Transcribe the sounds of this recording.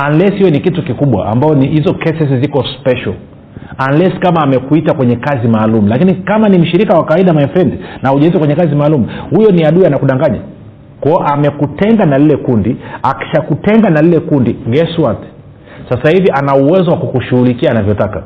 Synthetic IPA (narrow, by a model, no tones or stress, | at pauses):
anlɛshijɛnikitukikuɓwa̰ʔa̰mbaɔnihizɔkɛsɛs̬izikɔspɛʃal | anlɛskamaːmɛkuitakwɛɲɛkazimaːlumulakinikamanim̩ʃiɾikawakawaiɗamainfɛndinauʄɛnzikwɛɲɛkazimaːlumuhujɔniaɗuanakuɗaŋɡaɲa̰ | kɔʔamɛkutɛŋɡanalilɛkundiaki̥ʃakutɛŋɡanalilɛkundiɡɛswat | sasahiviʔanauwɛzɔwakukuʃuhulikiaːnavjɔtaka